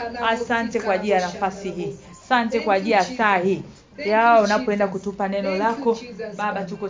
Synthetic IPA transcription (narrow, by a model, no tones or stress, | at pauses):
asantɛkwaːʄiljanafasihiːasantɛkwaʄiasahiː | jaɔunapɔɛndakutupanɛnɔlakɔɓaɓatukɔ